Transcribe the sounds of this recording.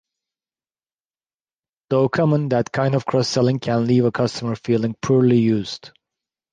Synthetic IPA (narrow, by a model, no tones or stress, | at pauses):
d̪̥oʊkʰʌmə̃nd̪ætkʰãɪ̃ndɔv̥kʰɹ̥ɔsːɛlˠɪ̃ŋkʰæ̃nliːvəkʰʌstʰəmə˞fiːlˠɪ̃ŋpʰuɹlijʉːz̥d̥